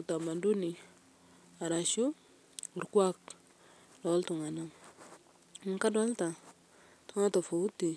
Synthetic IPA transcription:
u˨ta˨ma˨ndu˦ni˨ | a˨ɾa˨ʃu˦ | u˨ɾku˦a˦k | do˨˦ltu˨ŋa˨na˦ŋ | mu˨ŋka˦do˦lta˨ | tu˦ŋa˦to˨fo˨wu˦ti˨

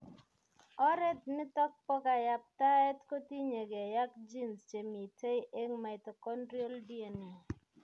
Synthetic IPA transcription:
ɔ˦ɾɛ˦t̚nɪ˦tɔ˦k̚pɔ˦ka˨ja˨p̚ta˦ɛ˦tko˦ti˦ɲe˨ɡe˨ja˦k̚d͡ʒi˦nst͡ʃe˨mi˨te˦jʔe˦ŋma˨i˨t̪o˨kɔ˦ndɾi˦o˦ldi˦e˨ni˨

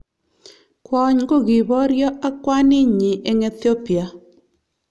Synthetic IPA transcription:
kwɔ˨ɲɡo˦˨ɡi˨bɔ˦ɾjɔ˦ʔa˦kwa˦nɪ˦ɲɪ˨ʔe˦ŋɛ˦t̪o˦pi˨a˨

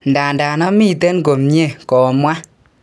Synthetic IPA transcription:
nda˨nda˨nɔ˦mi˦˨te˦nɡo˨mɲe˦˨kɔ˨mwa˦

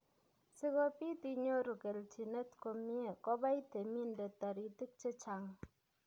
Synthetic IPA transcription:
si˦ko˦pi˦ti˦ɲo˦ɾu˨ke˨lt͡ʃi˨ne˦tko˨mje˨kɔ˦ba˦i˦te˨mi˦nde˨ta˨ɾi˨ti˦k̚t͡ʃe˦t͡ʃa˨ŋ

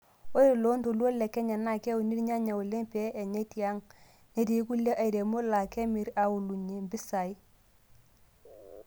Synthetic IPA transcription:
o˦e˨lo˦nto˨lu˦o˦le˨ke˦ɲa˨na˦˨ke˦wu˨ni˦ɾɲa˦ɲa˨u˨le˦mpe˦ʔe˨ɲe˦ti˨a˦ŋ | ne˦ti˨˦ku˦lːe˦ʔa˨i˨ɾe˨mo˦la˨ke˦mi˨ɾa˨u˨lu˨ɲe˨mbi˦sa˨i˦

